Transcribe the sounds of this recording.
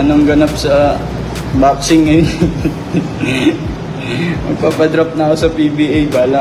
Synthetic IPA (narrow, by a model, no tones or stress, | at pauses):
ɐnoŋɡɐnɐp̚sɐ | baːpsɪŋɐj | mɐɡ̚paːpɐd̪ɾɐp̚nɐkosɐpibiːʔɐjbaːlɐ